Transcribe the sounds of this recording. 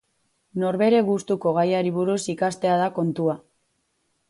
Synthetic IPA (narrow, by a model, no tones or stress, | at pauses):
no̞ɾβe̞ɾe̞ɣust̪uko̞ɣ̞ajaɾiβuɾusikast̪e̞aðako̞nt̪ua